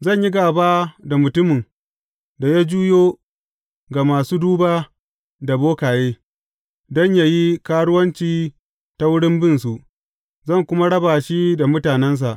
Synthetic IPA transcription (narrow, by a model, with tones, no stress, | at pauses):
zɐ˦˨ɲji˦ɡaː˨baː˦da˨mʊ˨tʊ˦mɪ˨n | da˨ja˦d͡ʒuː˦joː˦ | ɡa˨maː˨suː˦duː˦baː˦ | da˨boː˦kaː˨jeː˦ | dɔ˦˨ɲja˦ji˦kaː˦ɽʊ˦wɐ˦nt͡ʃiː˦ | ta˦wʊ˦ɽɪ˦mbɪ˦nsu˨ʔ | zɐ˦˨ŋkʷʊ˦ma˦ɽɐ˦baː˨ʃi˦da˨mʊ˦taː˨nɛ˦ns̬a˨ʔ